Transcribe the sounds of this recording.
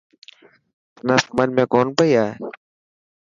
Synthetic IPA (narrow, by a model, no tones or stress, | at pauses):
nəsmənmẽːkoːnpəiːaːɦeː